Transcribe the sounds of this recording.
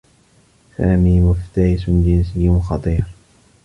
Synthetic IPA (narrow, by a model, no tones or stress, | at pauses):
saːmiːmʊft̪aɾɪsʊnd͡ʒɪnsɪjːnxɑt̪ˤiːɾ